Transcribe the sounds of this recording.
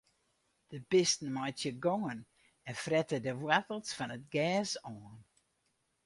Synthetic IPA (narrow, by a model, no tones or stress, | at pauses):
d̥əbɪstn̩majtjəɡɔːən | ɛnfrɛtədəʋwatəl̩ˠsfɔnət̚ɡɛːsɔːnn